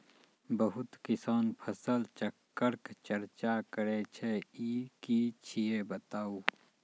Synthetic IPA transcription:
bəɦʊt̪kɪsaːnpʰəsəlt͡ʃəkːəɾkt͡ʃəɾt͡ʃakəɾet͡ʃʰeiːkit͡ʃʰijebət̪aːuː

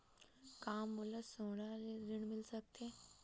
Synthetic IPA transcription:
kaːmːʊləsoːɽ̃aleɾɪɽ̃mɪlsɐk̚t̪eː

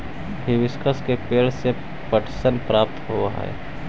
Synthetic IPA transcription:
bʱɪʋɪskʰəskepeːɭse | pəʈʰsənpɾaːpt̪ɦoaɦa̰ɛ̰ː

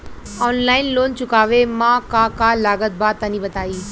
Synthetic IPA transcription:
ɔːnlaːɪnloːnt͡ɕʊkaːʋemãkãkalaːɡət̪̚baːt̪ːaniːbət̪aːiː

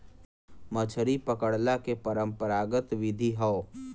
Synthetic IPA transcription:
mət͡ʃʰɾipəkəɽlakepəɾə̃mpəɾaːɡət̪ʋɪd̪ʱiɦəo

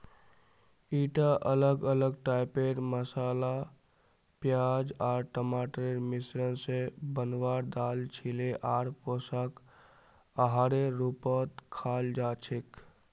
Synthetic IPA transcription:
iːʈaʔələɡələɡʈaɪpeɾməsaːla | pjad͡ʒaːɾʈəmaːʈɾeɾmisɾənsebənwaːɾd̪aːlt͡ʃʰileʔaːɾposək | əɦaɾeɾupət̪kʰaːld͡ʒaːt͡ʃʰek

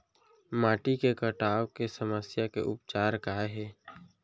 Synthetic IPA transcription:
maːʈikekəʈaːwkesəməsjakḛʔʊ̰pt͡ʃaːɾkaːɦɛː

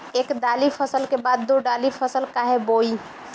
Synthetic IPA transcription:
ekɖ̪alipʰəsəlkebad̪ːoɖalipʰəsəlkaɦeboi

